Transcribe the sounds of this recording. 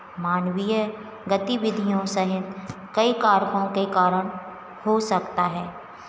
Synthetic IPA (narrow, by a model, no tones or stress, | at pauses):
maːnwijə | ɡət̪iʋɪd̪ʱijõsɐɦɪt̪ | kɐikaːɾkõkekaːɾəɽ̃ | hosɐkt̪aɦɛː